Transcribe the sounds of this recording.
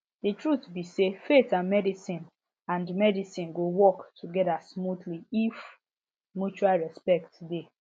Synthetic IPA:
ditɹutbisefetãnmɛdisĩn | ãndmɛdisĩnɡowɔktʰuɡɛdasmudliif | mjut͡ʃualɹɛspɛk̚tde

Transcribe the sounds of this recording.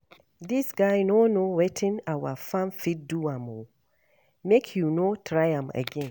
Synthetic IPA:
disɡaɪnonowetʰĩnawafãnfit̚duãmo | mekʰjunotʰɹaɪãmə̰ɡɛ̃n

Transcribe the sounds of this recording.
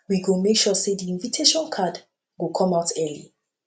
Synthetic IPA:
wiɡomekʃɔsediĩnvitʰeʃɔ̃nkʰad | ɡokʰɔ̃maʊtɛlḭ

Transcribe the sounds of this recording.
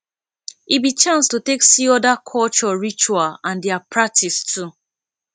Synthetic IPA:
ibit͡ʃãnstuteksiɔdakʰɔlt͡ʃɔɹit͡ʃualãndɛapɹak̚tʰistʰu

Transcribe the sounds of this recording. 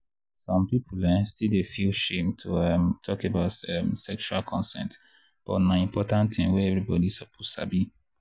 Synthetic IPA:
sɔ̃mpipʰulɛ̃stildefilʃẽmtʰuɛmtʰɔkebaʊtɛmsɛkʃualkʰɔ̃nsɛ̰̃nt | b̥ɔmaĩmpɔtãnt̪ĩmweɛvɹibɔdisəpʰota̰bi

